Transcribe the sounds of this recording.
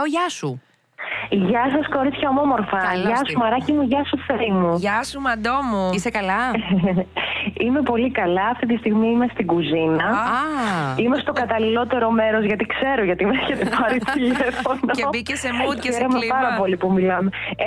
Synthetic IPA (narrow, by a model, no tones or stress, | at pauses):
oʝɐsu | ʝɐsɐsko̞ɾitt͡s̪çɐomomo̞ɾfɐʝɐsumɐɾɐcimuʝɐsuθemuɐsmɐd̪omuisekɐlɐ | ime̞po̞likɐlɐːft̪it̪ist̪iɣmiime̞st̪iɡuzinɐ | imest̪o̞kɐt̪ɐlilo̞t̪e̞ɾo̞me̞ɾo̞zʝɐt̪ikse̞ɾoʝɐt̪imeeçet̪epɐɾit̪ilefonooissekseɾomepɐɾɐpo̞lipumilɐme